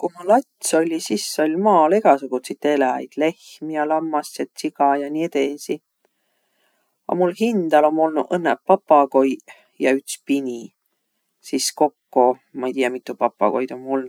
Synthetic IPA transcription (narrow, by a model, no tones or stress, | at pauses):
kumulːɑt̪ʲso̞lʲisisːo̞lʲmɑːle̞ɡɑsuɡ̥ut̪sit̪ːe̞lɑɑ̰jd̪̥le̞hmijɑlɑmːɑsːet̪sikɑjɑniet̪esi | ɑ̰mulɦind̪̥ɑlo̞mːo̞lnuʔɤnːepːɑpːɑko̞j | jɑyt̪spinʲi | sisko̞kːo | mɑejt̪ijɑmit̪ːˑupɑpˑːɑ̰ko̞jd̪̥o̞mːo̞lnu̥